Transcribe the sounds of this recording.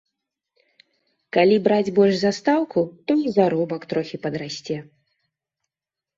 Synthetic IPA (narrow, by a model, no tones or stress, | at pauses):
kalʲibɾad͡zʲbɔlʲʐzast̪awkut̪ɔizaɾɔbɐkt̪ɾɔxʲipɐd̪ɾasʲt͡sʲɛ